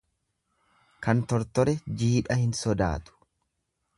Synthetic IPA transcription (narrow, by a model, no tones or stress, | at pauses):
kɐnt̪ɔɾt̪ɔɾɛd͡ʒiːᶑɐhɪnsɔd̪a̰ːt̪ʊ̥